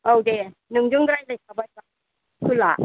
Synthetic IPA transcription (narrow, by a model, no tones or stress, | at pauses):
owdenɯŋd͡ʒɯŋdɾajlajsabajba | kʰɯla̰